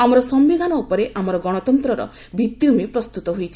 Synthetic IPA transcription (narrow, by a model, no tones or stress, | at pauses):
amɔɾɔsɔmbiɡ̪anɔupɔɾeʔamɔɾɔɡɔɽ̃ɔt̪ɔnt̪ɾɔɾɔ̰ | bʱit̪ːiumepɾɔst̪ut̪ɔɦujt͡ʃʰi̥